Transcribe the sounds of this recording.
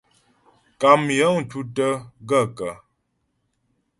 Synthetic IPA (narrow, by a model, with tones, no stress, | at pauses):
ka˨mjə˨˦ŋ̩˨tu˦tə˦ɡə˦˨kə˨